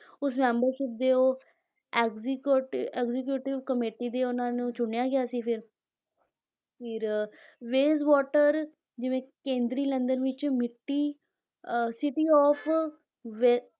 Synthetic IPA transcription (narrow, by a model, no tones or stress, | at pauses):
ʊs̬mɛ̃ːmbəɾʃɪp̚d̪eːoː | ɛɡzkːʈɛːɡzɪkjuːʈɪʋkəmeːʈiːd̪eːʊnãːnũːt͡ʃʊɳejaːɡɪjaːsiːpʰɪɾ | pʰɪɾʋeːzʋɔːʈəɾ | d͡ʒɪʋẽːkẽːnd̪ɾiːlə̃nd̪ənʋɪt͡ʃmɪʈːiː | sɪʈiːɔːpʰ | ʋ